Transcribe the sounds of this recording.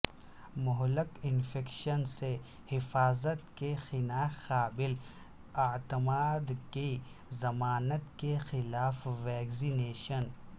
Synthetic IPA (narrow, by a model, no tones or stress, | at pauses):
mʊɦlɐkɪnfeːkʃənse | hɪfaːzət̪kexɪnaːxaːbɪl | ɐt̪imaːd̪ki | zɐmaːnət̪kexɪlaːfʋeːkzineːʃən